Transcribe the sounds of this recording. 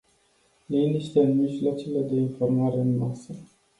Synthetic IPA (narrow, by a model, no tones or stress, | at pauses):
liniʃt̪eɨnmiʒlat͡ʃele̞d̪e̞info̞rmaɾe̞ɨnasə